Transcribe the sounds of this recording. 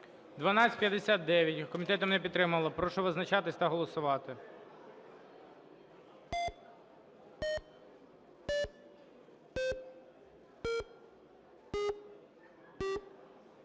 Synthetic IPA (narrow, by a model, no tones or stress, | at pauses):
d̪ʋɐnɑt͡sʲsʲɪ̥pjɐd̪esʲat̪̚d̪ɛʋʲjɐtʲkɔmʲit̪ɛt̪ɔmnɛpʲit̪t̪ːɾɪmɐlˠɐpɾɔʃɔʋɪznɐt͡ʃɑt̪ɪsʲt̪ɐɦɔlˠɔsʊʋɑt̪ɪ